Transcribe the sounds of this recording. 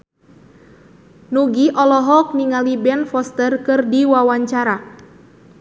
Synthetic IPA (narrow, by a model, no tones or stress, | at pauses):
nuɡiʔɔlɔɦɔk̚niŋalibɛnfɔst̪ərkɨrdiwawaɲt͡ʃaɾa